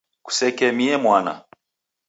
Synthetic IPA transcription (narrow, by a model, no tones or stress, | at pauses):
ku̥sɛkɛmiɛmwana̰